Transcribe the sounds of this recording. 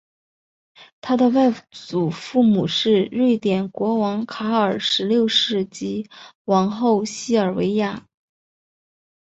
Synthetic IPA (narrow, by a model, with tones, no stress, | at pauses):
t̪ʰa˥d̪ə˨wa˥˩ɪt͡su˨˩fu˥˩mu˨˩ʂɻ̩˥˧ɻwe˥˩ɪt̪jɛ˨˩nkwɔ˧˥wɑ˧˥ŋkʰa˧˥ə˞˨˩ʂɻ̩˧˥ljo˥˧ʊʂɻ̩˥˩t͡ɕi˧˥ | wɑ˧˥ŋxo˥˧ʊɕi˥˩ə˞˨˩we˧˥ɪja˥˩